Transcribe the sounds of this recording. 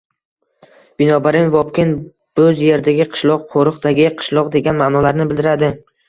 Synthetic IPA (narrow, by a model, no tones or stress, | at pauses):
b̥ɪnɒbaɾɪnvɒpkʲɪn | bɵzje̞ɾd̪aɡʲɪqʰɨ̥ʃlˠɒq̚qʰoɾɨqd̪aɡʲɪqʰɨ̥ʃlˠɒqd̪e̞ɡʲanmaːnɒlaɾnɪbɪld̪ɪɾad̪ɪ